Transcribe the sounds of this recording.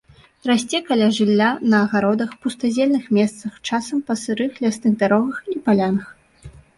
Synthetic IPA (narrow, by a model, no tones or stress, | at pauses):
rasʲt͡sʲɛkalʲaʐɨlʲːanɐːɣaɾɔd̪ɐxpust̪azʲɛlʲnɨxmʲɛst̪sɐxt͡ʂasɐmpɐsɨɾɨxlʲasnɨɣd̪aɾɔɣɐxipalʲanɐx